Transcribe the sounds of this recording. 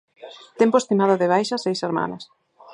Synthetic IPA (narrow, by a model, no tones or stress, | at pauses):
t̪empoest̪imaðʊðɪβ̞ajʃɐsejseɾma̰nɐs